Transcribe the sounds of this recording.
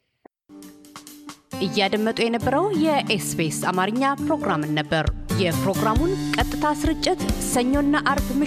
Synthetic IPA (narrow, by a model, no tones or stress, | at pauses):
ʔɨjːad̪əmːət̪ʼujɛnəbːəɾəwjɛʔesbesa̰maɾɨɲːapɾo̞ɡɾamɨnːəbːəɾjɛpɾo̞ɡɾamunkʼət̪ʼːɨt̪ʰasɨɾɨt͡ʃʼːɪt̪səɲːo̞nːaʔaɾbmɨ